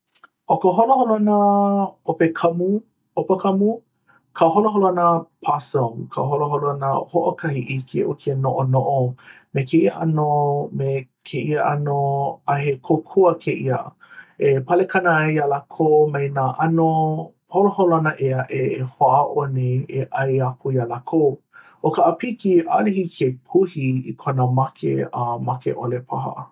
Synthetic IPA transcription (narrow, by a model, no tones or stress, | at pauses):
ʔokəɦoloholoanəopekʰɐmu | opɐkʰɐmu | kʰɐɦoloɦoloanəpʰasoŋkʰa̰ɦoloɦoloanəhoʔokʰɐhiʔikʰiʔo̰kʰienoʔonoʔo | mekeʔiəʔa̰nomekʰeʔiəʔa̰noaɦekʰokʰuəkʰeʔiə̰ | epɐlekʰanəajjalakʰowmɐjnaːʔɐno | holoɦoloanɐʔeɐʔeːhoaʔɐʔoneeʔɐjakʰujalakʰow | ʔokaʔəpikiʔa̰lihikʰekʰuhiḭkʰonəmakʰḛamakḛʔolepʰaɦɐ̰